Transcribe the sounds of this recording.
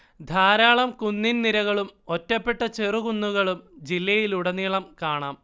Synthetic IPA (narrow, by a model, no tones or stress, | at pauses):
d̪ʱaːɾaːɭɐmkunːinniɾɐɣɐɭumo̞tːɐpːe̞ʈːɐt͡ɕeruɣunːuɣɐɭumd͡ʑilːɐjiluɽɐniːɭɐmkaːɳaːm